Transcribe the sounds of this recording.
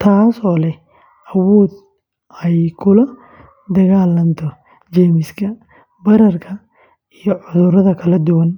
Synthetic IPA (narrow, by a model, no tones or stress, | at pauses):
t̪ʰaːsɔːlɛ | ɐwɔːd̪ | ɛjkʰʊlɐ | d̪ɐɣaːlɐnt̪ʰɔ | t͡ʃɛːmɪskʰɐ | bɐɾɐrkʰɐ | ijɞʕʊðʊɾɐðɐkʰɐlɐd̪ʊwɐn